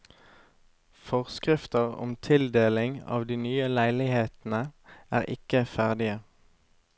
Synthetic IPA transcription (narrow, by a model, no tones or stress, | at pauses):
fɔʁskʁɪft̪əʁɔ̰mt̪ʰɪld̪eːlɪŋɑ̰ːʋd̪iːnyːəlæɪlɪheːt̪n̩əʔæ̰ːʁʔɪ̰kəfæʁd̪ɪə